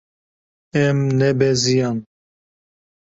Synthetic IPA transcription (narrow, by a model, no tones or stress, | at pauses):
ɛmnɛbɛzijɑn